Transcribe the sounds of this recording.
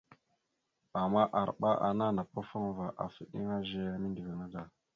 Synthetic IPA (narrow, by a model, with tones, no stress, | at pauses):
a˨mːa˦ʔa˨ɾɓa˦ʔa̰˨na˦na˨pa˦fa˦ŋva˨ʔa̰˨fi˨ɗḭ˦ŋa˦ʒe˦a˦mi˦ndi˨vi˨ŋa˦da˨